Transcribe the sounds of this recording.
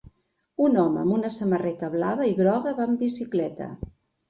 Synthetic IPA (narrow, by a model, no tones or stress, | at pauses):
unɔmə̰ːmunəsəmərɛt̪əβlaβəiɣɾɔɣəβambisiklɛt̪ə̰